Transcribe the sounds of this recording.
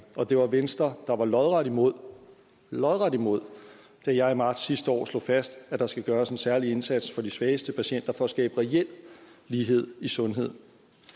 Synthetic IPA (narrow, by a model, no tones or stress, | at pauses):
ɒ̽d̥e̝ʋɑ̈ʋensd̥ɐd̥ɑ̈ʋɑ̈lɒðˠʁɑdimo̝ð̰ˠ | lɒ̽ðˠʁɑd̥imo̝ð̞̰ˠ | d̥æjɑ̈ɪimɑ̈ːd̥sːisd̥əɒ̰ːslo̝̰fæsd̥æd̥ɑ̈sɡ̥æɡ̥ɶːɐse̝nsæɐlie̝nsæd̥sfɒ̽d̥isʋɛːsd̥əpʰæɕen̰d̥ɐfɒ̽ːsɡ̥ɛ̰ːb̥əʁɛel̰lːiːɦe̝ð̞̰ˠisɔ̽nɦe̝ð̰ˠ